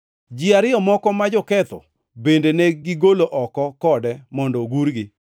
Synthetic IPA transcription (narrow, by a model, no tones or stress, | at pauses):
d͡ʒiaɾɪɔmɔkɔmad͡ʒɔkɛt̪ɔ̰ | bendenɛɡɪɡoloʔɔkɔkɔdɛmɔndɔɡuɾɡɪ